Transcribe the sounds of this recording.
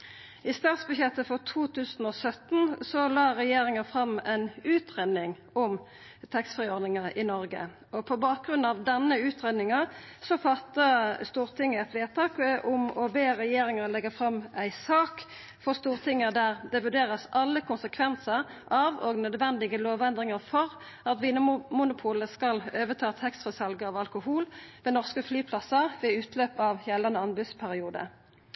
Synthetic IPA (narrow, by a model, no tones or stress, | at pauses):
ɪst̪ɑːt̪sbʉçjɛt̪ːəfɔʁt̪ʰuːt̪ʰʉːsn̩ɔsœt̪n̩sɔlɑːʁɛjeːɾɪŋɑfʁɑmæɪnʉːt̪ʰʁenɪŋ | ʊm | t̪ʰɛkst̪fʁɪɔɾnɪŋɑʁɪnɔɾɡə̰ | ɔpʰɔbɑːk̚ɡʁʉnɑʋd̪ɛnːəʉːt̪ʁeːd̪nɪŋɑsɔfɑt̪ːəst̪uːʁt̪ʰɪŋːəɛt̪fleːʁt̪ʰɑːkʔʊmɔbeːɾɛjeːɾɪŋəlɛɡəfʁɑmæɪsɑːk | fɔʁst̪uːʁt̪ʰɪŋəd̪æːʁd̪ɛʋʉɖ̪eːʁəsɑlːəkʰʊnsəkʰʋɛnsəʁʔɑʋɔɡnœd̪ʋɛnd̪ɪɡəloːʋɛnd̪ʁɪŋəʁfɔʁ | ɑt̪ʋiːnəmʊnʊpʰuːləskɑløːʋət̪ʰɑːt̪hɛkst̪ʁʊsɑlɡəɑːʋɑlkʊhuːlʋɛːnɔʁskəflyːpʰlɑsəʁʋɛʉːt̪ʰløːpɑʋjɛlːɑnəɑnbʉspʰæʁɪuːd̪ə̰